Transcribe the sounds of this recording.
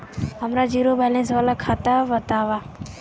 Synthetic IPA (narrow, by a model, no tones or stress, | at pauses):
ɦɐmɾad͡ʒiːɾobʱɛlẽːsʋaːlakʰaːt̪aʋɐt̪aːʋa